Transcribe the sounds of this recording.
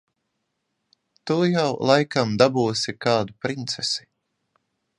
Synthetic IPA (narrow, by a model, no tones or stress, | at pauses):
t̪ujawlˠajkamd̪abuːsikaːd̪upɾint̪sesi̥